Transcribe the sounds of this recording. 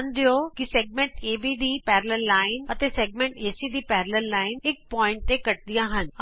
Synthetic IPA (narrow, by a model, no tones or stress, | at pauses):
nd̪ijokiseːɡ̚mẽːɳʈeːʋiːd̪iːpɛːɾləɾlaːɪnɐt̪eseːɡ̚mẽːɳʈeːsid̪iːpɛːɾləɾlaːɪnɪk̚pɔːɪ̃ɳʈ̚t̪ekɐʈ̚d̪ijãɦən